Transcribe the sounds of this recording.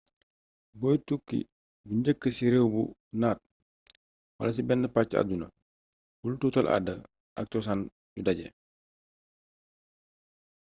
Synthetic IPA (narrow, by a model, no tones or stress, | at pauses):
bɔːjtukːḭ | buɲɟəkːəsiɾɛwbṵnaːt̚ | wɐ̰lɐs̬ibɛnːəpat͡ʃːiɐ̰dunɐ | bulututɐlʔa̰dːɐ | ʔɐk̚tɔsan | ɟudɐɟɛ̰